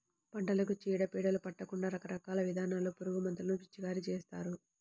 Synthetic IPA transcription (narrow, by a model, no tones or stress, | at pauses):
pɐɳɖɐlɐkut͡ʃiːɽɐpɛːɽɐlupɐʈːɐkuɳɖaːɾɐkɐɾɐkaːlɐʋid̪ʱaːnaːlupuɾuɡumɐnt̪ɐlɐnupit͡ʃːiɡaːɾit͡ʃɛːst̪aːɾu